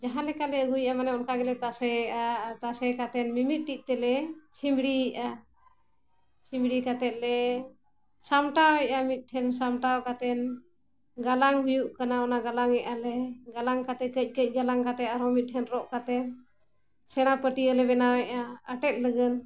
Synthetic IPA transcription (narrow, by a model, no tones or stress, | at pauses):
d͡ʒaɦãlɛkalɛəɡujʔamanɛɔnkaɡɛlɛt̪asɛat̪asɛkat̪ɛnmimit̪̚ʈit̪ɛlɛt͡ʃʰimɽiʔa | t͡ʃʰimbɽikat̪ɛt̪̚lɛ | samʈawɛʔamit̪̚ˀʈʰɛnsamʈawkat̪ɛn | ɡalaŋɦujuʔkanaɔnaɡalaŋɛʔalɛɡalaŋkat̪ɛkəc̚ˀkəc̚ˀɡalaŋkat̪ɛt̪aɾɔmit̪̚ˀʈʰɛnɾɔʔkat̪ɛn | sɛɽ̃apəʈiəlɛbɛnawɛʔaəʈɛt̪̚ləɡən